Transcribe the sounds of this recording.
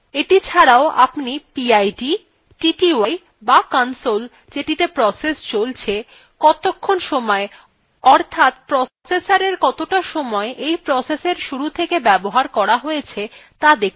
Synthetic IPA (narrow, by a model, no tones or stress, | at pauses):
eʈit͡ɕʰaɽaoʔa̰pnipiajɖi | ʈiʈiaj | bakansol | d͡ʑeʈit̪epɾɔsest͡ɕolt͡ɕʰe | kɔt̪okʰːonʃɔmɔe | ɔɾt̪ʰat̪̚pɾɔ | sesaɾeɾkɔt̪oʈaʃɔmɔeʔejpɾɔseseɾʃuɾut̪ʰekebɛboɦaɾkɔɾaɦojet͡ɕʰet̪ad̪ekʰ